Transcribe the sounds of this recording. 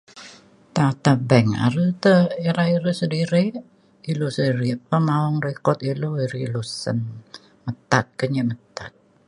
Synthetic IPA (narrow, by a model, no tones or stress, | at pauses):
t̪at̪abɛŋa̰ɾət̪əeɾaiɾəsədiɾi | ilosəiɾipəmaɔŋrekɔt̪iloiɾilosə̰n | mət̪at̪̚kəɲəmət̪at̪̚